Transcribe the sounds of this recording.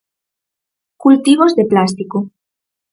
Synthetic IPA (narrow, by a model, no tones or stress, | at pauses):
kult̪iβ̞ozðeplast̪iko